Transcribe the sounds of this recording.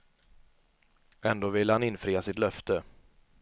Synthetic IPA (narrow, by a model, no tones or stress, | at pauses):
ɛnd̪oːvɪlːəhanɪnfɾiːasɪt̪lœft̪ə